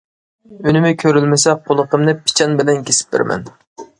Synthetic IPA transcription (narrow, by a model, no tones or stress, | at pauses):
ynɪmɪkʲʰøɾylmɪsɛqʰolˠəqʰəmnɨpʰɪ̥t͡ʃʰɑnbɪlɛnkʲesɪ̥p̚bɪ̰ɾmɛ̰n